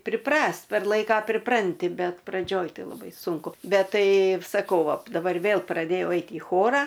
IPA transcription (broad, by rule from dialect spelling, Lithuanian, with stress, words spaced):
pʲrʲɪˈprɐsʲtʲ pʲɛr ˈlˠɐɪkɐ pʲrʲɪˈprɐnʲtʲɪ ˈbʲɛt prɐˈd͡ʒʲoːj ˈtɐɪ lˠɐˈbɐɪ ˈsʊŋkʊ ˈbʲɛt ˈtɐɪ sɐˈkɐʊ ˈʋɐ dɐˈbɐr ˈʋʲeːlˠ prɐˈdʲeːjɛʊ ˈɛɪt iː ˈxoːrɐ